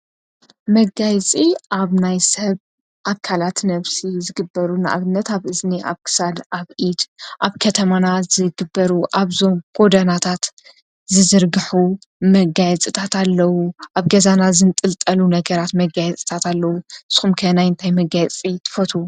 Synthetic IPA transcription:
mɐɡajt͡sʼiʔaβnajsɐβ | ʔakʰalat̪nɐβsizɨɡɨbːɐɾunɨʔa̰βɨnːɐt̪aβʔɨzniʔa̰βkʰɨ̥sad̪aβʔid̪ʔaβkʰɐt̪ʰɐmanazɨɡɨbːɐɾuʔaβzo̞mɡ̥o̞d̪ɐnat̪ʰat̪ | zɨzɨɾɡɨħu | mɐɡajɛt͡sʼit̪ʰat̪alːɐwuʔaβɡɐzanazɨnt̪ʼɨlt̪ʼɐlunɐɡɐɾat̪mɐɡajɛt͡sʼi̥t̪ʰat̪alːɐwuɨsxumkʰɐnajɨnt̪ʰajmɐɡajɛt͡sʼit̪ʰɨ̥fɐt̪ʰu

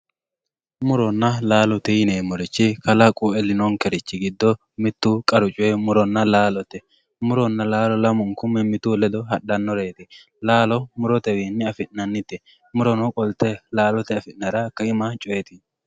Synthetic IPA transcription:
mʊɾɔnːɐlaːlɔt̪ɛjɪneːmɔɾɪt͡ʃːɪkɐlɐkʼuːɛlɪnɔŋkɛɾɪt͡ʃːɪɡɪd̪ːɔ | mɪt̪ːukʼɐɾʊt͡ʃʼːwɛmʊɾɔnːɐlaːlɔt̪ːɛ | mʊɾɔnːɐlaːlɔlɐmɔŋkʊmːɛmɪt̪ulɛd̪ɔɦɐɗːɐnːɔɾeːt̪ɪ | laːlɔmʊɾɔt̪ɛwiːnːɪɐfɪʔnɐnːɪt̪ːɛ | mʊɾɔnɔkʼɔlt̪ɛlaːlɔt̪ɛɐfɪʔnɐɾɐkːɐɪmɐt͡ʃʼɔjɛt̪ɪ

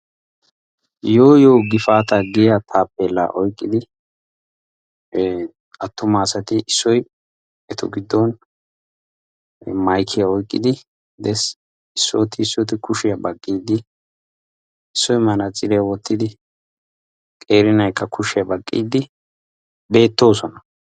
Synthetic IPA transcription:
joːjoːɡɪfaːt̪ɐɡɪjat̪ʰaːpːeːlːa̰ʔɔjkʼːɪd̪ɪ | ɐt̪ːʊmaːsɐt̪ɪʔɪsːɔj | ɛt̪ɔɡɪd̪ːɔn | mɐjkʰːɪjaɔjkʼːɪ̰d̪ɪ | d̪ɛs | ɪsːoːt̪ɪːsːɔt̪ɪkʊʃɪjɐbɐkʼːiːd̪ɪ | ɪsːɔjmɐnɐt͡sʼːɪɾɪjɐwɔt̪ːɪd̪ɪ | kʼe̞ːɾɪnɐjkːɐkʰʊʃɪjɐbɐkʼːḭːd̪ɪ | be̞ːt̪ːo̞ːsɔnɐ

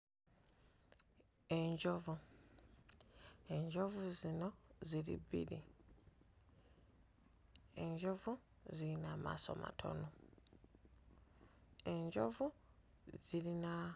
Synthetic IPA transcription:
e̞ɲɟovu | eɲɟovuzino̞ziɾḭbḭɾi | e̞ɲɟo̞vu | ziinaːma̰so̞̰ma̰tʰo̞̰no | e̞ɲɟo̞vu | z̥iɾina

